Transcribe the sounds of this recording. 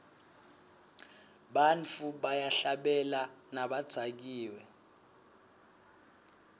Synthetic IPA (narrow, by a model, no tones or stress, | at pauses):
ɓant͡fʰuɓajaɬaɓɛlanaɓad̥z̥ʱak̬iːwɛ